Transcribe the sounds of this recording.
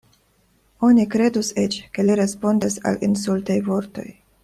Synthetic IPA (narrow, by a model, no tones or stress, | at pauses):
o̞nikɾe̞d̪uset͡ʃke̞liɾe̞spo̞ndisa̰lʔins̬ultajvo̞ɾto̞̰j